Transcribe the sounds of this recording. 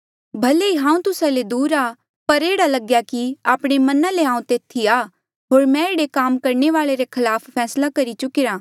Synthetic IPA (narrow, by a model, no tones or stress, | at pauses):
bʱɐleiɦãːũt̪ʊsaled̪uːɾaː | pɐɾeːɽalɐɡjakiaːpɽ̃emɐnãleãːũt̪eːt̪ʰiaː | ɦoːɾmɛ̃eːɽekaːmkɐɾɳeʋaːɭeɾekʰɐlaːpʰpʰɛːslakɐɾit͡ʃʊkɪɾaː